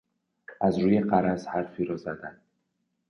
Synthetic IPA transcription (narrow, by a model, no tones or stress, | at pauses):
azɾujeqaɾashaɾfiɾɔzad̪an